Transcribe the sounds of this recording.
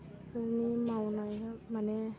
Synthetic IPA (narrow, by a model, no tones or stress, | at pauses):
ɔnimawnajmanɛ